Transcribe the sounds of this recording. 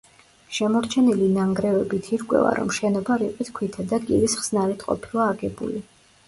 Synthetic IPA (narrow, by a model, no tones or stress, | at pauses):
ʃɛmɔɾt͡ʃʰɛnilinaŋɡɾɛvɛbit̪ʰiɾkʼwɛ̰va̰ɾɔ̰mʃɛnɔbaɾiqʼwit̪ʰkʰwit̪ʰad̪aɡilisχz̥naɾɛt̪ʰqʼɔ̰pʰilˠaːɡɛbṵli